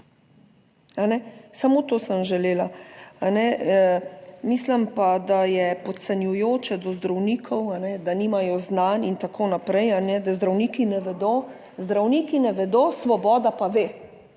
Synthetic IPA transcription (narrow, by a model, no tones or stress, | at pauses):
anɛsamot̪oːsəmʒɛleːlaanɛ | miːsləmpad̪ajɛpɔt̪sɛnjujoːt͡ʃɛd̪ɔzd̪ɾawniːkʰɔwanɛd̪aniːmajɔznanint̪akʰonapɾɛjanɛd̪azd̪ɾawnikinɛʋɛd̪o | zd̪ɾawnikinɛʋɛd̪osʋɔbɔːd̪apaʋeː